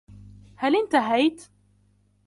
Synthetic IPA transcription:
hælɪnt̪aɦajt̪

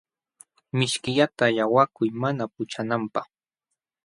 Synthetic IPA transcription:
mɪʃkɪʎat̪ajawakʊjmanap̚ʊt͡ʃanampɑχ

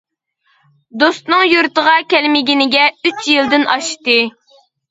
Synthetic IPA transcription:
d̪ost̪nɨŋjuɾt̪əʁɑkʲɛlmɪɡʲinɪɡʲɛyt͡ʃjilˠd̪ɪnɑʃt̪ɨ

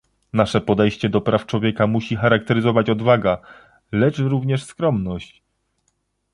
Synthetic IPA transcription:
naʂɛpɔd̪ɛjɕt͡ɕɛd̪ɔpɾaft͡ʂwɔvʲjɛkamuɕixaɾak̚t̪ɛɾɘzɔvat͡ɕɔd̪vaɡa | lɛt͡ʂɾuvɲɛʂskɾɔmnɔɕt͡ɕ

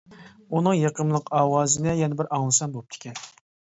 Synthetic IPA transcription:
unɨŋjɑqəmlˠəqʰɑːwɑːzɨnɪjɛnɪbɪɾʔɑŋlˠɨsɑmbolˠɨp̚t̪ʰɪ̥kʲʰɛn

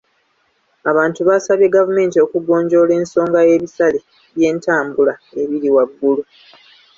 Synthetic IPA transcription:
aβaːntuβaːsaβje̞ɡavume̞ːntio̞kuɡo̞ːɲɟo̞le̞ːnso̞ːŋɡaje̞βisale | βje̞ːntaːmbulaeβiɾiwaɡːulu

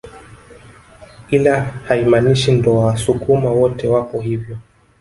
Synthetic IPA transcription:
kilahaimaniʃindɔawasukumawɔtɛwapɔɦivjɔ

